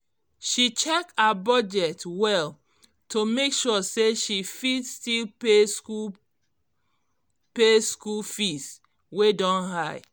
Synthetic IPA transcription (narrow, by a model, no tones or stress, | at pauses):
ʃit͡ʃɛkabɔd͡ʒɛtwɛl | tomekʃɔseʃifidstilpeu | peskulfis | wedɔ̃nɦaɪ